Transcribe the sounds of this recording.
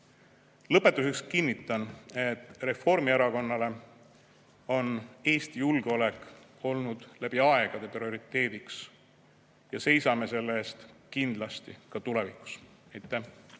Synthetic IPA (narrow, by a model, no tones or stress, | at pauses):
lɤpːˑe̞t̪ːˑuse̞kskinːit̪ːˑɑne̞t̪ːˑre̞fo̞rmieɾɑko̞nːɑle̞ | o̞ne̞ːst̪ijulɡ̥eo̞le̞k | o̞lnud̪̥læb̥iɑe̞ɡ̥ɑd̪̥e̞prio̞ɾit̪ˑːe̞ːd̪̥iks | jɑse̞jsɑme̞se̞lːeːst̪kind̪̥lɑst̪ikɑt̪ule̞vikˑu̥s | ejt̪ːˑæ